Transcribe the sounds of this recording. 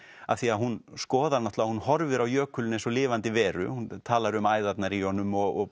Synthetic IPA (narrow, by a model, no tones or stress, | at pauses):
aθiaɦunskɔːðaɾnat̪lahunhɔɾvɪɾawjœːkʰʏlɪnɛnsɔlɪːvant̪ɪvɛːɾʏ̰hunt̪ʰaːlaɾʏmaːjðat̪naɾijɔnːʏmɔɣɔ